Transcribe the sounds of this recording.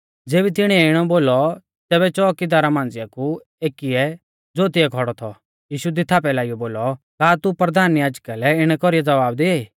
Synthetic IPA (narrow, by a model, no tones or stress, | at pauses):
d͡zeːbit̪̬ɪɽ̃iɛɪɽ̃ɔboːlɔ | t̪ɛːbɛt͡ʃɔːkid̪aːɾamãːnd͡zɪjaku | eːkiɛ | d͡zoːt̪ɪɛkʰɔɽɔt̪ʰɔ̰ | jiːʃud̪ɪt̪ʰaːp̬ɛlaːijɔboːlɔ | kaːt̪upɾɐd̪ʱaːnjaːd͡ʒkalɛɪɽ̃ɛkɔɾijɛd͡zɐʋaːbd̪iaːiː